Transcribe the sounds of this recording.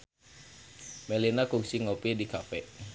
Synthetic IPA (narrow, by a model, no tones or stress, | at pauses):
melinakuksiŋopidikafɛ